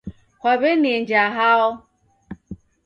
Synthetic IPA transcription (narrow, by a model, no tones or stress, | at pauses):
kʷabenend͡ʒaɦaʊ